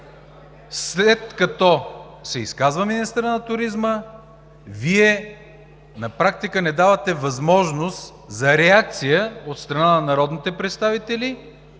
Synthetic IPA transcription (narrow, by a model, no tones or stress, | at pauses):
slɛt̪̚kɐt̪ɔ | sɛiskazvəminist̪əɾənɐt̪ʊɾizmə | viɛ | nɐpɾak̚t̪ikənɛd̪avət̪ɛvɐzmɔʒnost̪ | zɐɾɛak̚t̪sijəot̪st̪ɾɐnanɐnɐɾɔd̪nit̪ɛpɾɛt̪st̪avit̪ɛli